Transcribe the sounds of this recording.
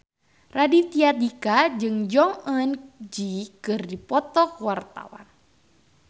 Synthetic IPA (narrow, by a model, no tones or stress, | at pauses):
radit̪iad̪ikad͡ʒɨŋd͡ʒɔŋənd͡ʒikɨrdipɔt̪ɔkwart̪a̰wa̰n